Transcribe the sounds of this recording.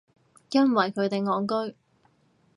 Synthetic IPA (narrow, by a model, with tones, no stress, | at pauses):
jɐ˥nwɐ˨˩jkʰɵ˨˧ɥt̪e˨jŋɔː˨˧ŋkɵ˥ɥ